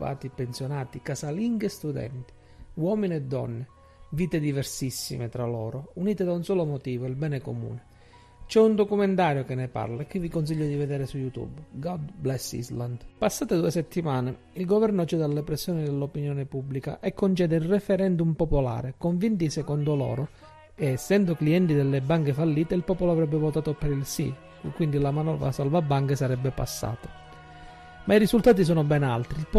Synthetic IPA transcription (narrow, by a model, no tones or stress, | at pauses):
a̰ːt̪ipensjonaːt̪ikasaliŋɡest̪ud̪ɛ̰nt̪i̥ | wɔminiɛd̪ːɔ̰nːɪ | viːt̪ed̪ivɛɾsisːḭmet̪ɾalɔːɾouniːt̪ɪd̪aunsɔːlomot̪iːvoilbɛːneko̰mṵːnɪ | t͡ʃɛund̪okumɛnt̪aːɾjokɪnːepa̰ɾlaɛk̟ːɪvikons̬iʎːod̪ivɛd̪ɛːɾɪsujut̪ṵbɡɔd̪blɛsːḭzland̪pasːaːt̪ed̪uesɛt̪ːimaːne | ilɡovɛrnot͡ʃɛd̪alːepɾɛsːjɔːnid̪elːopinjɔːnɪpubːlika̰ʔekːont͡ʃɛːd̪eilrefɛɾɛnd̪umpopola̰ːɾekoɱvint̪isɛkɔnd̪olɔ̰ːɾo | eːsːɛnd̪okliɛnt̪id̪elːebːaŋkefalːiːt̪eilpɔːpoloavɾɛbːevot̪aːt̪opeɾilsḭ | kwind̪ilamanɔvɾa̰salvabːaŋkesaɾɛbːepa̰sːa̰ːt̪ḁ | maiɾizult̪aːt̪̬is̬ɔːnobɛna̰lt̪ɾilp